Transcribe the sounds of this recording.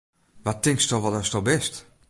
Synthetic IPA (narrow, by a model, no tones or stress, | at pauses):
ʋatːɪŋkstɔxʋɔdɔstɔbɛst